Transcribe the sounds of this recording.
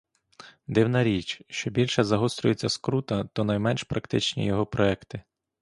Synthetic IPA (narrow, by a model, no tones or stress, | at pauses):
d̪ɪwnɐɾʲit͡ʃʃt͡ʃɔbʲilʲʃɛzɐɦɔst̪ɾʲʊjet͡sʲːɐskɾut̪ɐt̪ɔnɐjmɛnʲʃpɾɐkt̪ɪt͡ʃnʲḭjɔɦɔpɾɔɛkt̪ɪ